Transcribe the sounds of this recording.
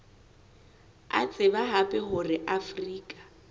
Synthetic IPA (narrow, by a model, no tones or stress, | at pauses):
a̰t͡sʼɪbaɦapʼɛɦʊrɪʔafriːkʼḁ